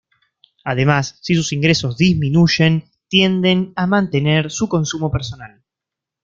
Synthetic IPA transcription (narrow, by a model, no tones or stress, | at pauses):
að̞e̞masːisusiŋɡɾe̞so̞zðizminuʒe̞n | t̪je̞nd̪e̞namãnt̪e̞neɾsuko̞nsumo̞peɾso̞nal